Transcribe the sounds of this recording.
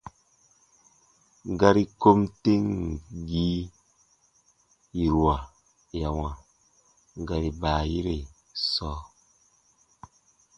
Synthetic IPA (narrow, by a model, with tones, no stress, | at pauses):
ɡa˧ɾi˦ko˦mte˦ŋ˨ɡi˦ | i˨ɾwa˨ | ja˨wa˨ | ɡa˨ɾi˨ba˨ji˦ɾe˨ | sɔː˦